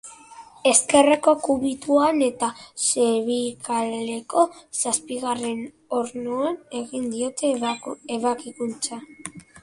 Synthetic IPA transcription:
e̞ske̞reko̞kuβit̪uane̞t̪aseβikʰale̞ko̞saspiɣare̞n | o̞ɾnuane̞ɣind̪io̞t̪eeβakikunt͡sa

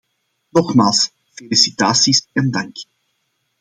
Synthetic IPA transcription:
nɔxmaːlˠs | felisit̪aːsisɛndɑŋk

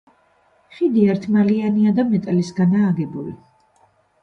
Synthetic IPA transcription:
χid̪iaɾt̪ʰmalianiad̪amɛt̪ʼlisɡanaːɡɛbulḭ

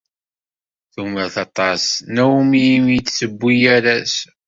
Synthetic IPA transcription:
θuməɾθɑt̪ˤɑsnæwmimjit͡sːsəbːijæɾæs

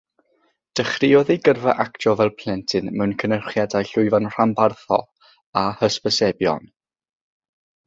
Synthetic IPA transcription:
d̥əχrɪɔðiɡərvaʔaktɔvɛlˠpʰl̥ˠɛntʰɨnmɛwnkʰənərχjadajɬʊɨvanr̥ambarθɔ̰ | ahəspəsɛbjɔ̰n

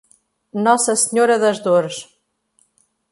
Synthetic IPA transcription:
nɔsɐsɲoɾɐðɐʒðoɾʃ

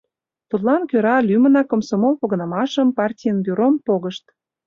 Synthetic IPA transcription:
t̪ut̪lɑnkøɾɑlymə̆nɑkŏmsomopoɣɤ̆nɑmɑʃəmpɑrtʲijənbyɾompoɣəʃt̪

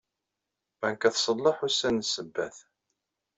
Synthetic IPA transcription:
æŋkæθsˤəlˤːɑħusænsəbːæ̰θ

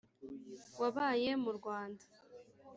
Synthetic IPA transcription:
waβaːje̞muɾɡwaːndḁ

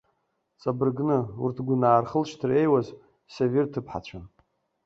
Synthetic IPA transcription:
t͡sʼabɨrɡnɨṵrtʰɡʷunaːrχəlʃtʰɨre̞jwaz | savɪrtʰɨpʰħa̰t͡ɕʷʰan

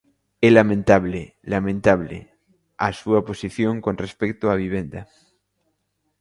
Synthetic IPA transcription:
ɛlamẽnt̪aβle | lamẽnt̪aβ̞lḛ | a̰suaposiθjõŋkonrespek̚t̪oaβ̞iβ̞end̪a

